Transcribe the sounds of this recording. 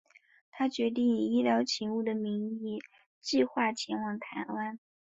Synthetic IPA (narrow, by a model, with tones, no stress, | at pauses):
t̪ʰa˥t͡ɕɥɛ˧˥t̪̬i˥˩ŋi˨˩i˥ljɑ˧˥ʊt͡ɕʰi˧˥ŋu˥˩d̪ə˩mi˧˥ŋi˥˩ | t͡ɕi˥˧xwa˥˩t͡ɕʰjɛ˧˥nwɑ˧˥˩ŋt̪ʰa̰˧˥na˥n